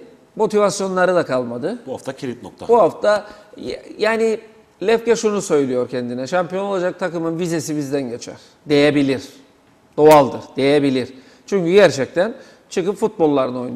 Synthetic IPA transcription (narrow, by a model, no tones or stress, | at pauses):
mo̞t̪ʰivasjo̞nlˠaɾɯd̪akʰalˠmad̪ɯbuhaft̪ʰacʰiɾit̪̚nok̚t̪ʰabuɦaft̪ʰajjaːni | lʲɛfcɛʃunusø̞jlʲijo̞ɾcʰɛnd̪inɛʃampijo̞no̞lˠad͡ʒak̚t̪ʰakɯmɯnvize̞sibizd̪ænɟe̞t͡ʃʰæ̰ɾ̥ | d̪e̞jebilʲiɾ̥ | d̪̥o̞alˠd̪ɯɾd̪̥e̞jebilʲiɾ̥ | t͡ʃʰyɲʲcyɟæɾt͡ʃʰɛc̚t̪ʰæn | t͡ʃʰɯkɯpfut̪̚bo̞lˠːaɾɯno̞jn